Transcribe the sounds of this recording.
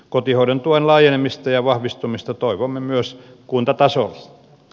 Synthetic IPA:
kot̪ihoident̪uonlɑːjenemist̪ɑjɑʋɑhʋist̪umist̪ɑt̪oiʋomːemyøs | kunt̪ɑt̪ɑsol

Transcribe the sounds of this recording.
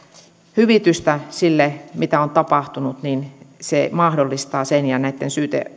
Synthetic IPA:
hyʋit̪yst̪æsilːemit̪æont̪ɑpɑht̪unut̪ninsemɑhdolːist̪ɑːsenjɑnæit̪ːensyːt̪ḛ

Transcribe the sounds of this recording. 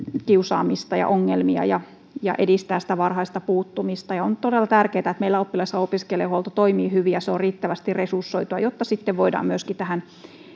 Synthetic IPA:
kiusɑ̰ːmist̪ɑjɑ̰ʔoŋːelmiɑ̰jɑ̰ | jɑ̰ʔedist̪æːssi̥t̪æʋɑrhɑist̪ɑpuːt̪ːumist̪ɑjɑont̪odelːɑt̪ærkeːt̪æet̪meilːæopːilɑisːɑopiskelehuolt̪ot̪oimiːhyʋijɑseorriːt̪ːæʋæst̪irresursːoit̪uɑjot̪ːɑsit̪ːeʋʋoidɑ̰ːmyøskit̪æhæn

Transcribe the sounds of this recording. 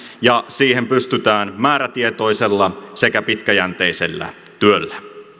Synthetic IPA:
jɑsiːhempyst̪yt̪æːnmæːɾæt̪iet̪o̞iselːɑsekæpit̪kæjænt̪eisḛlːæ̰ | t̪yølːæ

